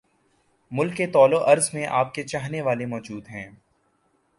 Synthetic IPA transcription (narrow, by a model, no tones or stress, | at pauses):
mʊlkːet̪ɔːloʔɐɾzmẽʔaːp̚ket͡ʃaːɦneʋaːlemɔːd͡ʒuːd̪ɦɛ̃ː